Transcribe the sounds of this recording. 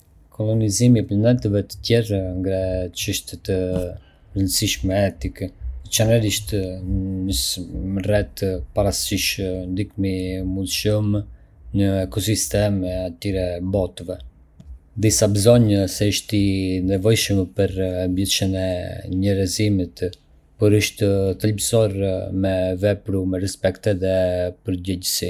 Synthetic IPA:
kʰɔlɔnizimiplanɛt̪əvɛt̪ə̥t̪jɛɾŋɡɾɛt͡ʃəʃt̪ɛt̪ə | ɾənsiʃmɛɛt̪ikt͡ʃɛnɛɾiʃt̪nəsmərɛt̪paɾasiʃnd̪ikmimud̪ʃəm | ɲəɛkɔsist̪ɛmɛat̪iɾɛbɔt̪vɛ | d̪isabəzɔɲsɛəʃt̪inɛvɔjʃəmpəɾbjɛʃənɛɲəɾɛzimit̪ | pɔɾəʃt̪ət̪əlbsɔɾmɛvɛpɾumɛɾɛspɛkt̪ɛðɛpəɾɟɛɟəsi

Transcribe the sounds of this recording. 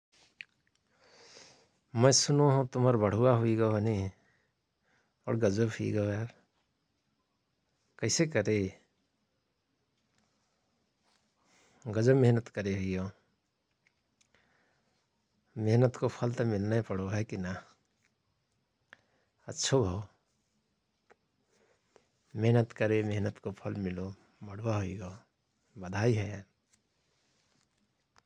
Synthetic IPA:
məjsunoɦõt̪uməɾbəɽ̤uwaɦuiɡəɦəni | ɔ̰ːɽɡəd͡ʒəbɦiḭɡəoɦɛ | kəɪsekəɾe | ɡəd͡ʒəmeɦnət̪kəɾeɦuijõ | meɦnət̪kopʰəlt̪əmɪlnapəɽoɦɛkina | ətːʃʰobʱao | meɦnət̪kəɾemeɦnət̪kopʰəlmɪlo | məɽ̤waɦuijo | bəd̪ʱaiɦɛ

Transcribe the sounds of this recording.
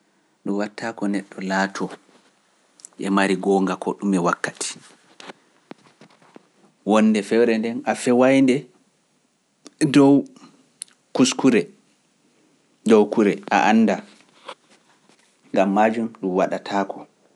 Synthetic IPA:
ɗumwatʰːaːkɔnɛɗːɔlaːtʰɔ | ʔɛmaɾiɡɔːŋɡakɔ̰ɗumɛwakːati̥ | wɔnːdɛfɛwɾɛndɛnafɛwajndɛ | dɔw | kuskuɾɛ | dɔwkuɾɛʔa̰ʔanːda | ŋɡamːad͡ʒumɗumwaɗatʰaːkɔ

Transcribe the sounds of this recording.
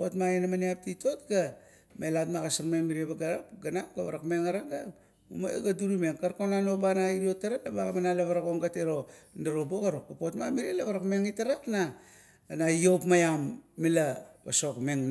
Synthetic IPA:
potmainamaniap̚tito̞tɡa | me̞latmakasaɾmeŋmiɾiebaɡaɾap̚ɡanapɡaβaɾakmeŋaɾaɡa | uma̰ɡaduɾumeŋkaɾkonano̞banaiɾio̞taɾalaβaɡamanalaβaɾako̞ŋɡateɾo̞ndaɾo̞bokaɾokapo̞tmamiɾielaβaɾakmeŋitaɾapna | najo̞pmajamːilaβaso̞kmeŋ

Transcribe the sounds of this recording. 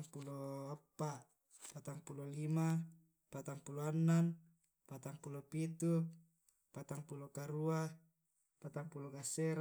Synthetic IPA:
ŋpuloapːaʔ | pat̪aŋpulolima | pat̪aŋpuloanːan | pat̪aŋpulopit̪u | pat̪aŋpulokaɾua | pat̪aŋpuloɡaseɾ

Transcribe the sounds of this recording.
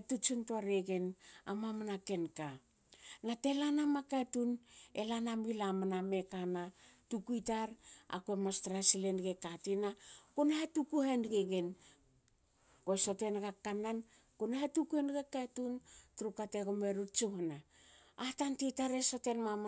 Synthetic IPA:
etut͡ʃuntoaɾeɡe̞na̰mamanake̞nka | nate̞lanamakatunḛlanamilamaname̞kanatukuitaɾa̰kuemastɾasilenɡe̞katinakunahetukuhenɡeɡen | koeso̞te̞nɡakːanan | kunahetukuenɡakatuntuɾukate̞ɡomeɾut͡ʃuhnaː | tantitaɾesotenmam

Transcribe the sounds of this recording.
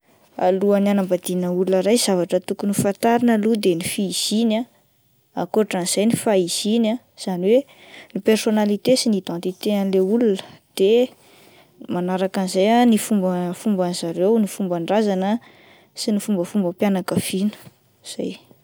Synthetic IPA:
a̰luananambad̪inəulunəɾajz̥avaʈ͡ʂət̪ukunifant̪aɾinəlud̪enifiːz̥ina | a̰koʈ͡ʂaniz̥ajnifaiz̥ina | z̥aniwe | nipersonalit̪esinid̪ɑ̃nt̪it̪eanleulunə̥d̪̥e | manaɾakanizajanifumbəfumbanizaɾewnifumbaɳɖ͡ʐazanə | sinifumbəfumbəpjanakəfinə̥ | z̥a̰j

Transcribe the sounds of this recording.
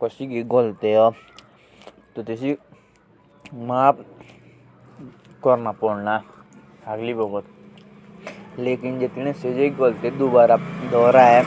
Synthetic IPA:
kɔsiɡiɡolt̪eɦɔ | t̪ot̪esi | maːp | kɔɾnapɔɽna | aɡlibɔɡɔt̪̚ | leːkɪnd͡ʒet̪nẽsed͡ʒeiɡolt̪ed̪ubaːɾad̪ɔːɾaɦɛ

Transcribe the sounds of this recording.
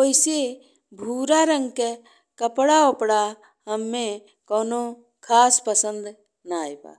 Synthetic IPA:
koːɪse | bʱuːɾaɾə̃ŋɡke | kəpɽaopɽa | ɦəmːẽ | koːno | kʰaːspəsə̃nd̪ | naːeba̰ː

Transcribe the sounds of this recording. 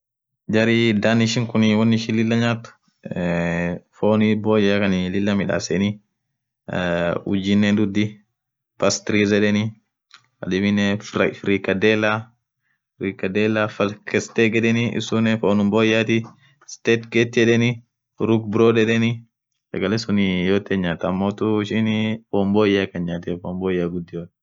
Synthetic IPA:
d͡ʒɐɾid̪anɪʃɪŋkʊnɪwɐnːɪʃɪnlɪlːɐɲaːt̪ʊ̥ | foːniboːjakɐnɪlɪlːɐmɪᶑa̰ːsɛni | ʊd͡ʒinːɛd̪ud̪i | pɐst̪ɾizɛᶑɛni | ɐ̰dɛbɪnɛfɾikɐd̪ɛːla | fɾiːkɐd̪eːlːafɐkɛst̪eːɡɛᶑɛnɪʔɪ̰sʊnɛfoːnʊmboːjaːt̪ɪ | st̪eːt̪ɡeːt̪ːɪɛᶑɛnɪ | ɾukbɪɾoːd̪ɛᶑɛnɪ | sɐ̰ɡɐlɛsʊnɪjoːt̪ːɛɲːaːt̪ɐːmːoːt̪ʊɪʃiːnfoːmboːjaːkːɐnɲaːt̪ɛfoːmboːjaːɡʊd̪ːɪjoːt̪

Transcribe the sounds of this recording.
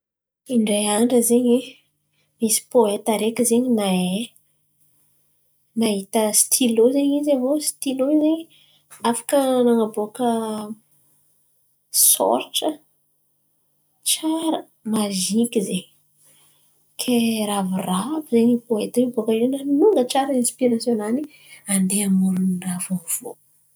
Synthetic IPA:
iɳɖ͡ʐejaɳɖ͡ʐəzeɲe | misi̥poet̪aɾekʲizeɲinae | naɦit̪əst̪ʰilozeɲizavosi̥t̪iloizeɲ | afḁkənaŋaboakə | so̰ɾʈ͡ʂə | t͡ʃaɾə | maʒikʲizeɲ | kʰeɾavirapəzeniboet̪aibokəiwnanuŋɡət͡ʃaɾəinspiɾasjonani | and̪eamuɾuniravov̥o̰

